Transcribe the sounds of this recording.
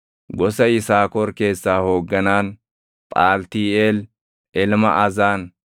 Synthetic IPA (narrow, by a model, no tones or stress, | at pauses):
ɡɔsɐɪsaːkɔɾke̞ːsːaːhoːɡːɐnaːn | pʼaːlt̪iːel | ʔɛlmɐ̰ʔɐzaːn